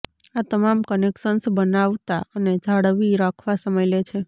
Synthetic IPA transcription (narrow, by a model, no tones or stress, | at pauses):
at̪əmamkənekʃənsbənaʋt̪aəned͡ʒʱaɽʋiɾakʰʋasəməjlet͡ʃʰe